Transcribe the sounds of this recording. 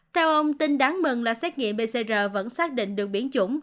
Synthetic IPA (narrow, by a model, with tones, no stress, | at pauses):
t̪ʰɛ˧wʔə˧wŋ͡mt̪i˧nɗaː˨˦ŋmɨ˨˩ŋlaː˨˩sɛː˦˥t̚ŋḭ˧˨əmɓe˨˩se˧zəː˨˩və̰˧˥nsaː˦˥k̚ɗḭ̈˧˨ŋ̟ɗɨ˨˩ək̚ɓi˧˩ənt͡ɕʊ˧˩ŋ͡m